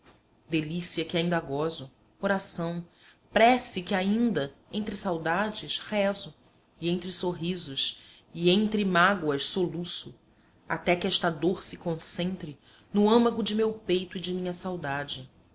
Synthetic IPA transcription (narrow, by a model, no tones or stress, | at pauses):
d̪elisiɐkɪaĩnd̪ɐɡɔzʊ | oɾasɐ̃w̃ | pɾɛsɪkɪaĩnd̪ɐẽnt̪ɾɪsawd̪ad͡ʒɪshɛzʊ | iẽnt̪ɾɪsoɦizʊʃ | ɪẽnt̪ɾɪmaɡwɐʃsolusʊ | a̰t̪ɛkɪɛʃt̪ɐd̪oɾsɪkõsẽnt̪ɾɪ | nʊɐ̃mɐɡʊd͡ʒɪmewpejt̪ʊid͡ʒɪmĩɲɐsawd̪ad͡ʒɪ